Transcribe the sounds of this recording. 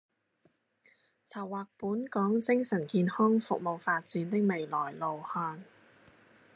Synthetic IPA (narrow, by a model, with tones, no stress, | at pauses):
t͡sʰɐ˨˩wːaː˨˩k̚puː˨˥nkɔː˨˥ŋt͡sɪ˥ŋsɐ˨˩nkiː˧nhɔː˥ŋfʊ˨k̚mo˨wfaː˧t̚t͡siː˨˥nt̪ɪ˥k̚me˨jlɔː˨˩jlo˨˩whœː˧n